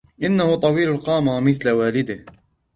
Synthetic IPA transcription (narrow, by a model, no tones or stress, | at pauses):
ʔɪnːahʊt̪ˤɑwiːlalqɑːmamɪθlawaːlɪd̪ɪh